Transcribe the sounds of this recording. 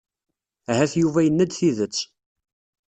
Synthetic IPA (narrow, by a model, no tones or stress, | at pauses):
æɦæθjuvæjənːæd̪θiðət͡sː